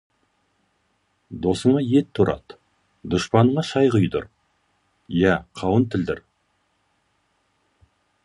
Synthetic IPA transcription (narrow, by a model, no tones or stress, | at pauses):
d̪o̞səɴɑjet̪ʰːʊɾɑ̰t̪ | d̪ʊʃpɑnəɴɑʃɑjʁəjd̪ʊ̰ɾ | jæqʰɑwənt̪ʰɪld̪ɪɾ